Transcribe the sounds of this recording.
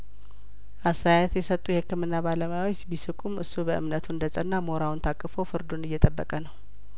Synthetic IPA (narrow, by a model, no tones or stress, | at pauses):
ʔast̪ʰajat̪jɛsət̪ʼːujɛhɨkːɨmɨnːabaləmajawɔt͡ʃːbisɨkʼumɨ̰sːubəʔɨ̰mnət̪ʰund̪əsʼənːamo̞ɾawunt̪ʰakʼːɨfowfɨɾd̪onɨjːɛt̪ʼəbːəkʼənəw